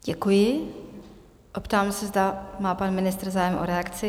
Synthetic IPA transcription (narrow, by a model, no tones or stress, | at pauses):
ɟ̥ɛkujɪ | ʔopt̪aːmsɛzd̪amaːpanmɪnɪst̪ɾ̩zaːjɛmʔo̰ɾɛakt͡sɪ